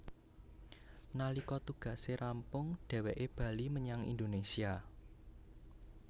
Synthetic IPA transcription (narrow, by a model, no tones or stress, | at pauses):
nalikɔt̪uɡ̥ä̤seɾampʊŋɖ̥ɛ̤wɛʔeb̥ä̤liməɲaŋḭnd̪onesia